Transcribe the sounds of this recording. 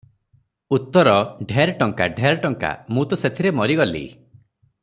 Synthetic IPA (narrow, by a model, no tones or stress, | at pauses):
ut̪ːɔɾɔɖʱeɾʈɔŋka̰ɖʱeɾɔʈɔŋka̰mũt̪ɔset̪ʰiɾemɔɾiɡɔlḭ